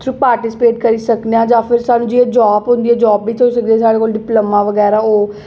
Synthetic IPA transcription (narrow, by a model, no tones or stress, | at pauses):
t̪ʰɾupaːɾʈɪːsɪ̥peːʈkəɾiːsəkd̪eãːd͡ʒãːpʰɪɾsaːnũːd͡ʒieːd͡ʒɔːbɦʊ̃nd̪iɛːd͡ʒɔːbːiːt̪ʰoːsək̚d̪eɛːsaːɽeːkoːlɖɪpləmaːʋəɡɛːɾaːoː